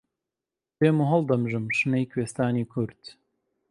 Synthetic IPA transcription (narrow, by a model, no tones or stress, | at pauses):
beːmuɦɐld̪ɐmʒɨmʃɨnejkʰweːst̪aːniːkʰʊɾt̪